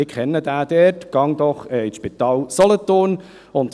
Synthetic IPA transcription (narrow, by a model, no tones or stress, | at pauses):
ɪkʰχɛnːəd̪æːd̥̪ɛːtɡ̥ɑŋd̪ɔχɛɪʃpit̪ɑːlsɔlət̪on | ʊnt̪